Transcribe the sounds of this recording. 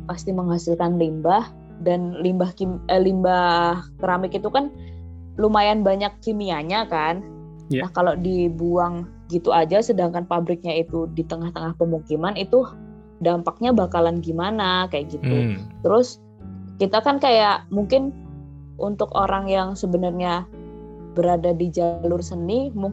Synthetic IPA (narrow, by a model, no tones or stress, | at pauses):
past̪iməŋɦasɪlkanlimbah | danlimbahkiəlimbahkəɾamɪkit̪ukan | lumajanbaɲakːimiaɲakan | ahkalodibuaŋ | ɡit̪uad͡ʒasədaŋkanpabɾɪk̚ɲait̪udit̪əŋaht̪əŋahpəmukimanit̪u | dampak̚ɲabakalanɡimanakajaʔɡit̪ut̪əɾʊs | kit̪akankajaʔmuŋkɪn | ʔunt̪ʊkoɾaŋjaŋsəbənərɲa | bəɾadadid͡ʒalʊrsənimu